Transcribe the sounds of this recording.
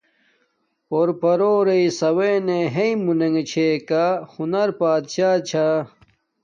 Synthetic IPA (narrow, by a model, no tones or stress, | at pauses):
poɾpɐɾoːɾeisɐweneɦeĩmuneŋɡet͡ɕʰeːkaxunɐɾpaːd̪ɕaːt͡ɕʰa